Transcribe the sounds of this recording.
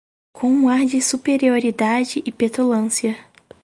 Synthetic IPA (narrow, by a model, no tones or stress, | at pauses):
kʰõũaɾd͡ʒɪsupeɾioɾid̪ad͡ʒɪʔɪpet̪olɐ̃siɐ